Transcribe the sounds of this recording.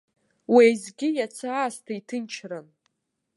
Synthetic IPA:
wejzɡʲɪjat͡sʰaːstʰaitʰɨnt͡ʃʰran

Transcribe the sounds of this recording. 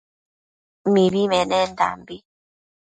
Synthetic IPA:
mibimɛnɛnda̰mbi

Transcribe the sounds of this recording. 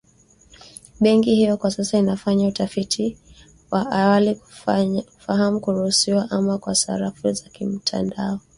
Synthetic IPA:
ɓɛŋkihijɔkwasasainafaɲautafitʰi | waʔawali | faɦamukuɾuhusiwaʔamakwasa̰ɾafuzakim̩tʰa̰ndaɔ

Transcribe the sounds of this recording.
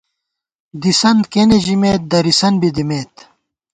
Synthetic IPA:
d̪isɐnd̪keneʑimeːt̪̚d̪ɐɾisɐnbid̪imeːt̪

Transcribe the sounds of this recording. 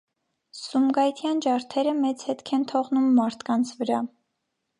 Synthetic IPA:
sumɡɑjt̪ʰjɑnd͡ʒɑɾt̪ʰɛɾəmɛt͡shɛt̪kʰɛnt̪ʰɔʁnumːɑɾt̪ʰkɑnt͡sʰvəɾɑ

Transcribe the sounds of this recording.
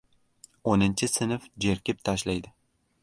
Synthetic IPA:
onɪnt͡ʃʰɪsɪnfd͡ʒeɾkʲɪp̚t̪ʰaʃlajd̪ɪ

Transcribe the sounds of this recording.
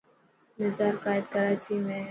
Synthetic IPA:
mɪzaːɾkaːɪd̪kəɾaːt͡ʃimẽ

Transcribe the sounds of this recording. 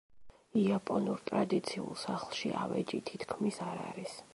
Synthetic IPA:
iapʼɔnuɾt̪ʼɾad̪it̪sʰiṵlˠsaχlˠʃiʔa̰vɛ̰d͡ʒit̪ʰit̪ʰkʰmisaɾa̰ɾis

